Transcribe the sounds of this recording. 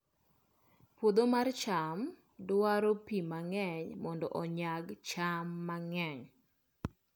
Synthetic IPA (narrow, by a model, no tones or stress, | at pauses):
pod̪omart͡ʃam | dwaɾopimaŋɛɲmɔndɔ̰ʔɔɲaɡt͡ʃamːaŋɛɲ